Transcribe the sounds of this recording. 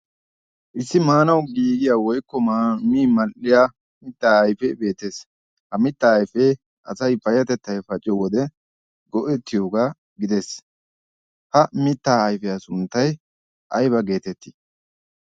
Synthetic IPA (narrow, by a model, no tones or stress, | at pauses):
ʔɪsːɪmaːnɐwɡiːɡɪjaːwɔjkːɔmiːmɐlʔɪjaː | mɪt̪ːaːɐjfɛbe̞ːt̪ːeːs | hɐmɪt̪ːɐːjfe | ʔɐsɐjfɐjɐt̪ɛt̪ːɐjfɐt͡ʃʼɪjɔwɔd̪ɛ | ɡɔʔɛt̪ːɪjoːɡaː | ɡɪd̪es | hɐmɪt̪ːaːɐjfɛjasʊnt̪ːɐj | ʔɐjbɐɡe̞ːt̪ɛt̪ːɪ̥